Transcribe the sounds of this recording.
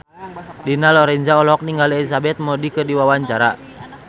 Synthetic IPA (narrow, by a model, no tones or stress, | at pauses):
dinalɔɾɛɲd͡ʒaɔlɔk̚niŋɡalɛlis̬abɛt̪̚mɔdikɨrdiwawaɲt͡ʃaɾa